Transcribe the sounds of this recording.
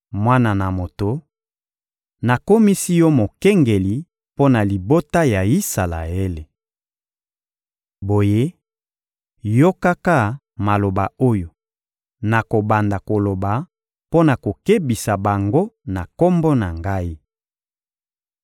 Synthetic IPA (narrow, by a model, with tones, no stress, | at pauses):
mwa˦na˨na˨mo˨to˨ | na˨ko˦mi˦si˦jɔ˦mo˨kɛ˦ŋɡe˨li˨˦ | po˦na˨li˨bo˦ta˦ja˨i˦sa˨la̰˨e˦le˨ | bo˨je˦ | jo˦ka˦ka˦ | ma˨lo˨ba˨o˦jo˨ | na˨ko˨ba˨nda˨ko˨lo˨ba˨ | po˦na˨ko˨ke˦bi˨sa˨ba˨ŋɡo˦na˨ko˦mbo˦na˨ŋɡa˦i˦